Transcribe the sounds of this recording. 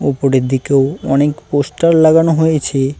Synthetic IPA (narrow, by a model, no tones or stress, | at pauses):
upoɾeɾd̪ʱikeoɔnekposʈaɾlaɡanoɦojet͡ɕʰe